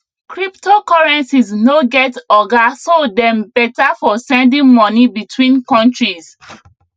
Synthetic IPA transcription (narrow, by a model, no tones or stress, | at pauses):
kɹiptʰokɔɹɛ̃nsiznoɡɛtɔɡasodɛ̃mbɛtafɔsɛ̃ndĩŋmɔnibitʰwĩnkɔ̃ntɹis